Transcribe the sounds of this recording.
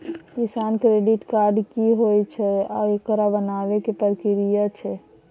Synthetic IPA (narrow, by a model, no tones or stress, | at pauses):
kisankɾeɖiʈkaɾɖkiɦojt͡ʃʰɛaekəɾabənaʋekepəɾkiɾijat͡ʃʰɛ